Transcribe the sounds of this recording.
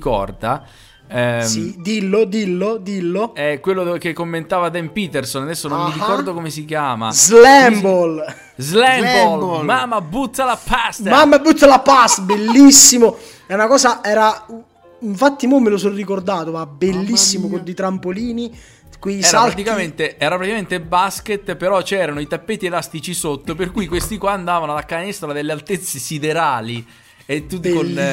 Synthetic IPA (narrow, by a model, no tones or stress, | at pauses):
kɔ̰rd̪a | sid̪ilːod̪ilːod̪ilːoɛkwelːokekːomːent̪aːvad̪ɛmpit̪ersonad̪ɛsːonomːiɾikɔrd̪okomesikjaːma̰zlɛmbol | zlɛmolmamːabut̪ːalapast̪mamːabut̪ːalapast̪belːisːimo | ɛunakɔːsaɛːɾa | iɱfat̪ːimimelos̬orikord̪aːt̪omabelːisːimokod̪et̪ɾampoliːni | kwiɛsɾaɾat̪ikament̪eɛːɾapɾat̪ikament̪ebasket̪ːpeɾɔt͡ʃɛːɾanoit̪apːɛːt̪ielast̪it͡ʃisot̪ːoperkuːjkwest̪ikwaːnd̪aːvanoalakanɛst̪ɾad̪elːealt̪et̪sːesid̪eɾaːli | et̪ːut̪kon